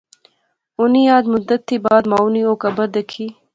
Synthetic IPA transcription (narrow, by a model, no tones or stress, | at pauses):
ʊnijɑːd̪mʊd̪ɐt̪ʰːibɑːd̪maːunioːkɐbɐd̪əkʰi